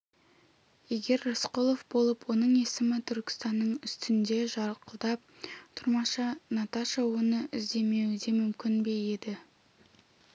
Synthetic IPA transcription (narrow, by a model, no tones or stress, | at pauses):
je̞ɡʲe̞ɾːasqolˠo̞fbo̞lˠəpwo̞nəɴe̞sɪmɪt̪ʰʏɾkʲɪ̥st̪ɑnːəɴʏst̪ɪnd̪e̞ʒɑɾəqʰəlˠd̪ɑp̚t̪ʰʊɾmɑʃɑnɑt̪aʃəwonəʔɪzd̪e̞me̞wɪd̪e̞mʏmkʲɪnbe̞je̞d̪ɪ